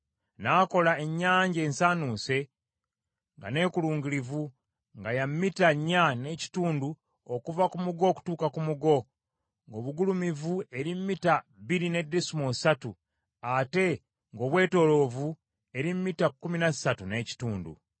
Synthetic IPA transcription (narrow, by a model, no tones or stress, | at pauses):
naːko̞lae̞ɲːaːɲɟe̞ːnsaːnuːse̞ | ŋɡa̰ne̞ːkuluːŋɡilivu | ŋɡajamːitaɲːane̞ci̥tuːndu | okuvakumuɡo̞ːku̥tuːkakumuɡo̞ | ŋɡo̞ːβuɡulumivue̞ɾimːitaβiɾine̞dːesumo̞satu | ate̞ | ŋɡo̞ːβwe̞ːto̞ːlo̞vu | e̞ɾimmitakːuminasatune̞ːci̥tuːndṵ